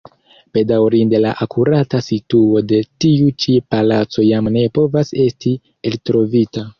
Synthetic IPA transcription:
pe̞dawɾinde̞laʔakʰuɾatasituo̞de̞tiut͡ʃipalat͡so̞jamne̞po̞vase̞sti | eltɾo̞vita

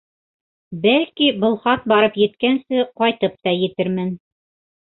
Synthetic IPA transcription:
bælkibɤ̆lˠχɑt̪̚bɑɾɤpjɘ̆t̪kænsɘqɑjt̪ɤp̚t̪ɑjɘ̆t̪ɘɾmɘn

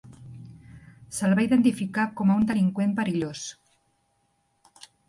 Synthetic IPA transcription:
səlβaiðent̪ifikakɔmaund̪əliŋkwempaɾiʎos

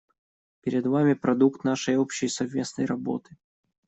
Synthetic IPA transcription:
pʲɪɾʲɪd̪vamʲɪpɾɐd̪ukt̪naʂəjopɕːɪjsɐvmʲe̞snəjɾɐbo̰t̪ɨ̥

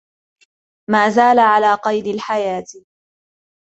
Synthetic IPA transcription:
maːzaːlaʕalaːqɑjd̪ɪlħajaːt̪

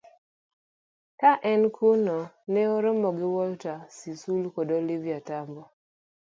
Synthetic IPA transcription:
kaʔɛnkʰunɔ | nɛoɾomɔɡɪwɔltasisulkɔdɔliviatambɔ

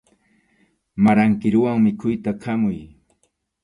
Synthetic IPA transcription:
maɾaŋkɪɾʊwaŋmɪkʰʊjt̪akʰamʊj

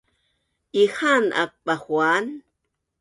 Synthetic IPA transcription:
ʔixanʔa̰k̚ɓaxwan

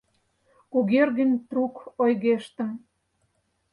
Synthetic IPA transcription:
kuɣerɣənʲt̪rukojɣeʃt̪ə̆m

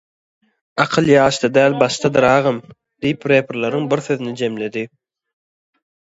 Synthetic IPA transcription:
ɑqʰɯlˠjɑːʃt̪ɑd̪æːlʲbɑʃt̪ʰɑd̪ɯɾɑːʁɯm | d̪ijipɾeːpʰɾlˠɑɾɯŋbiɾθøðynid͡ʒe̞mle̞d̪i

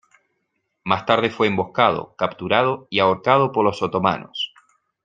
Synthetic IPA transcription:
mast̪aɾð̞e̞fweːmbo̞hkaðo̰kapt̪uɾað̞o̞iaoɾkað̞opoɾlosot̪o̞ma̰no̰s

